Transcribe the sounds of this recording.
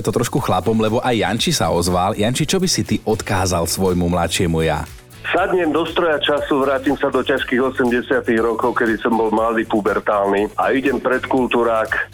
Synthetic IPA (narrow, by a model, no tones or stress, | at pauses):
ɛt̪ɔt̪ɾɔʃkuxlapɔmlɛbɔʔajːa̰nt͡ʃisaɔzʋaljant͡ʃit͡ʃɔbisit̪iʔɔt̪kaːzalsʋɔjmumlatʃɪɛmuja̰ | sad̪ɲɛmd̪ɔst̪ɾɔjat͡ʃasuʋɾaːcimsad̪ɔcaʃkiɣɔsɛmɟɛsɪat̪iɣɾɔkɔʊkɛd̪isɔmbɔlmlad̪iːpubɛɾt̪aːlniaiɟɛmpɾɛt̪kult̪uɾaːk